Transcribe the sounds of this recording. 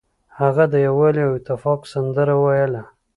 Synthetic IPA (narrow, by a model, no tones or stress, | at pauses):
haɣad̪əjawaleawɪt̪ɪfɑqsand̪əɾawajəla